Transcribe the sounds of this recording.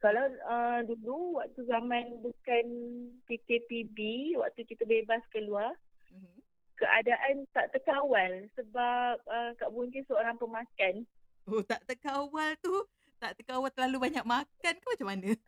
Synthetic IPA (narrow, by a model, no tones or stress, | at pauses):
kalawəduluwak̚t̪uzamãnbukanpikepibiwa̰ʔ̚t̪ukit̪əbebaskəluar | m̩ | kəʔadaʔant̪aʔt̪əkawalsəbap̚əkaʔbuŋkinsəoɾaŋpəŋmakan | ot̪aʔt̪əkawalt̪u | t̪aʔt̪əkawalt̪əlalubaɲak̚makankanmat͡ʃamːanə̃